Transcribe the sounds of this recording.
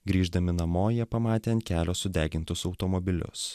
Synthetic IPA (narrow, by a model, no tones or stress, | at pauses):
ɡɾʲiːʒd̪ɐmʲɪnɐmoːjɛpɐmɑːt̪ʲeːɐnt̪̚kʲæːlʲoːsʊd̪ʲæːɡʲɪnt̪ʊsɒʊt̪ɔmɔbʲɪlʲʊ̰s